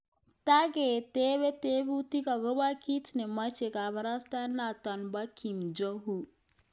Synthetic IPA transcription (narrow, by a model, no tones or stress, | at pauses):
t̪aɡet̪eβet̪ebut̪ikaɡobakit̪ʰnemɐt͡ʃekabɐɾast̪anat̪ɐnbakʰːimd͡ʒɔɦu